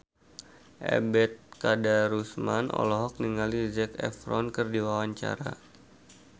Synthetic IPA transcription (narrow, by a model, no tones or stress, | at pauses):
ʔɛ̰bɛt̪̚kadaɾusmanʔɔ̰lɔɦɔk̚niŋalizɛkɛ̰fɾɔnkərdiwawaɲt͡ʃa̰ɾa̰